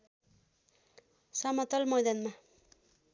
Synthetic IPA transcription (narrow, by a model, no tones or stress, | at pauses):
sʌmʌt̪ʌlmʌjd̪ʌnma